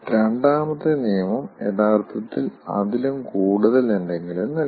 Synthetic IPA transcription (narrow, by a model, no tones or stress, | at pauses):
ɾeɳɖaːmɐt̪ːɨnijɐmɐmeðaːrt̪ʰːɐt̪ːilɐ̰ðilumkuːɽuðɐlendeŋɡilumnːɐ